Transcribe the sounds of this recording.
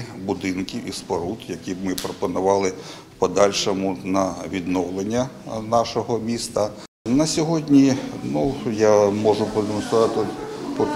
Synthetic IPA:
bʊd̪ɪnkʲiispɐɾut̪jɐkʲibmɪpɾɔpɔnʊʋɑlˠɪ | pɔd̪ɑlʲʃɔmʊnɐʋʲid̪nɔwlˠenʲːɐnɑʃɔɦɔmʲist̪ɐ | nɐsʲɔɦɔdʲnʲinujamɔʒʊpɔd̪emɔnsʊɾɑt̪ɪp

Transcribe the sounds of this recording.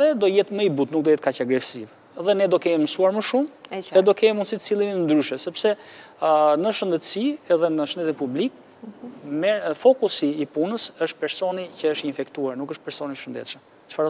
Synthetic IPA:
ðɛd̪ɔjɛt̪məibut̪nukd̪ɔjɛt̪̚kacaɡɾɛsiv | ɛðɛnɛd̪ɔkɛmiməsuaɾməʃumɛd̪ɔkɛmimunsit̪ə̥t͡silˠiminənd̪ɾyʃɛsɛpsɛ | nəʃənd̪ɛt̪siɛðɛnəʃənd̪ɛt̪inpublik | mɛfɔkusiːpunəsəʃt̪̚pɛɾsɔnicəəʃt̪infɛkt̪uaɾnukəʃt̪̚pɛɾsɔniʃənd̪ɛ̰t̪ʃəm | t͡ʃə̥faɾ

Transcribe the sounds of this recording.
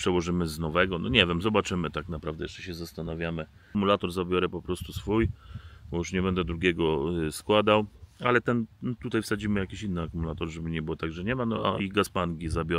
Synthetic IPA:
pʂɛwɔʐɘmɘznɔvɛɡɔnɔ̰ɲɛvʲɛmzɔbat͡ʂɘmɘt̪aknapɾavd̪ɛjɛʂt͡ʂɛɕɛzast̪anavʲjamɘ | mulat̪ɔɾzabʲjɔɾɛpɔpɾɔst̪usfujbɔjuʂɲɛbɛnd̪ɛd̪ɾuɡʲɛɡɔskwad̪awalɛt̪ɛnt̪ut̪ajfsad͡ʑimɘjakʲiɕinːɘakumulat̪ɔɾʐɛbɘɲɛbɘwɔt̪aɡʐɛɲɛmanɔa̰ʔiɡaspaŋɡʲizabʲɔ

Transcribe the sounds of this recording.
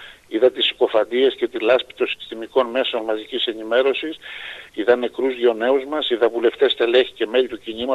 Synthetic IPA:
iðɐt̪isko̞fɐnd̪ie̞sce̞t̪ilɐspi̥t̪o̞si̥st̪imiko̞nme̞so̞nmɐzicise̞nime̞ɾo̞sisiðɐnːe̞kɾuzʝo̞ne̞uzmɐsiðɐvule̞ft̪e̞st̪e̞le̞çi̥ce̞me̞ʎit̪ucinimɐ

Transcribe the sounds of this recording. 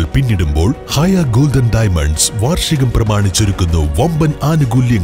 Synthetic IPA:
ɭpinːiɽumbo̞̰ːɭhɐjɐɡoːlɖɐnɖɐːjmɐ̰ɳɖsʋaːrʂɐɣɐmprɐmaːɳit͡ɕːoɾukːunːuʋɐmbɐnaːnuɡuːljɐŋ

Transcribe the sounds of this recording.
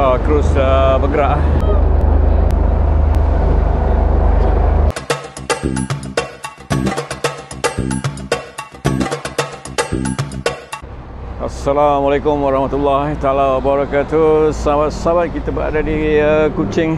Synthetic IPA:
akəɾusəbəɡəɾaʔ | ʔasːalamalekʊmwaɾɑhmat̪ulːaht̪alawabaɾakat̪usəabat̪̚sabat̪̚kit̪abəa̰dadiəkut͡ʃɪŋ

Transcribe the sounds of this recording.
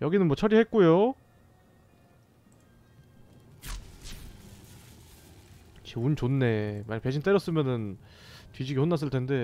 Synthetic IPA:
jʌɡinɯnmwʌt͡ɕʰʌɾihe̞t̚k͈ujo | t͡ɕeunt͡ɕonːe̞maɲpe̞ɕʰint͈eɾjʌs͈ɯmjʌnɯn | tɥid͡ʑiɡihonːas̬͈ɯɭtʰende̞

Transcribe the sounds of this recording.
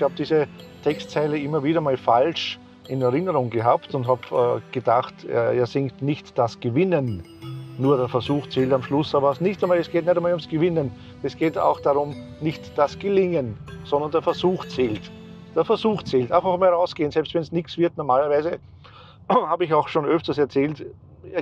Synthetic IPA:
ɪçhaːb̚d̥iːzətʰɛkstt͡sɛɪləɪmɐviːɾɐmaːlfalʃ | ɪnɛɐʁɪnəʁʊŋɡəɦaːptʊntɦaːb̰ːɡ̥əd̥axtɛ̰ḛːɐzɪŋktnɪçtd̥asɡ̥əvɪnənː | uːɐɾɛːɐfɛɐzuːxt͡seːltamʃlʊsaːbɐsnɪçtɛɪmaːlɛsɡ̥eːtnɛtamaːlʊmsɡ̥əvɪnən | ɛsɡ̥eːta̰ʊxd̥aʁʊm | nɪçtd̥asɡ̥əlɪŋənsɔ̃ndɐndeːɐfɛɐzuːxt͡seːlt | d̥ɛːɐfɛɐzuːxt͡seːltʔãɪnfaxmaːlʁaʊsɡ̥eːənsɛlpstvɛnsnɪksv̥ɪɐtnɔɐmaːlɐvæɪzə | haːbəɪçaʊxʃoːnøftɐsɛɐt͡sɛːlt

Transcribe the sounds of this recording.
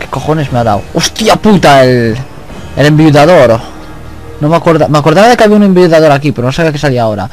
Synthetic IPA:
ke̥koχonesmeaða̰wost̪iaput̪ael | elembiuðaðoɾo | nõŋmakoɾðamakoɾðaβaðekaβiaũnembiuðaðoɾakipeɾonõsaβak̬esaliaoɾa̰

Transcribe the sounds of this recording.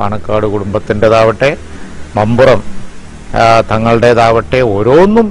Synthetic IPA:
a̰ːɳɐkːaːɽɨkuɽumbɐt̪ːinde̞ðaːʋɐʈːe̞ | mɐmburɐm | t̪ɐŋːɐɭɨɽe̞ðaːʋɐʈːe̞o̞ːɾo̞ːnːum

